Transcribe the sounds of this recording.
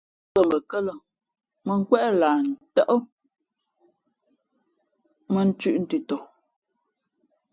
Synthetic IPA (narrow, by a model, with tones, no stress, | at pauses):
ə˨mbə˨kə˦lə˨ | mə˨ŋ̩˦kwɛ˦ʔlaː˨n̩˨tə˦ʔə˦ | mə˦n̩˦t͡ʃʉ˦ʔn̩˦tʉ˨tɔ˨